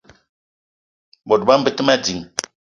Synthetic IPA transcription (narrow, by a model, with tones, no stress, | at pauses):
bɔ˨t̚ba˦m̩˦bə˦˨tə˦ma˦di˨ŋ